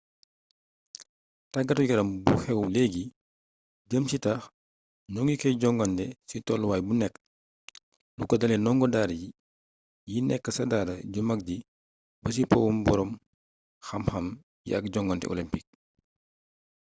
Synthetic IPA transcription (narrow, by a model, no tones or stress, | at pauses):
tɐɡɐtuɡɐɾɐmbuxɛwlɛːɡi | d͡ʒəmsitax | nɔŋɡikɛɟɔŋɡɐntɛsitɔlwaːjbunɛkː | lukɔdɐlɛnɔŋɡɔdaɾji | jinɛkːəsɐdaːdɐɟumɐk̚di | bɐs̬ipɔwumbɔɾɔm | xɐmxɐm | jḭɐk̚ɟɔŋɡɔntɛ̰ʔɔ̰limpik̚